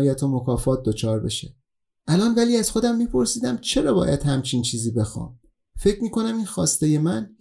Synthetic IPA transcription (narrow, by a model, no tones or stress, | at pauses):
jæt̪ʰomokʰɒːfɒːt̪̚d̪ot͡ʃʰɒːɾbe̞ʃe | ʔælɒːnvæliːæz̥xo̞d̪æmːiːpʰo̞ɾsiːd̪æmt͡ʃʰe̞ɾɒːbɒ̰ːjæd̪hæmt͡ʃʰiːnt͡ʃʰiːziːbe̞xɒ̰ːm | fe̞cʰmiːkʰo̞næmiːnxɒːst̪e̞jemæn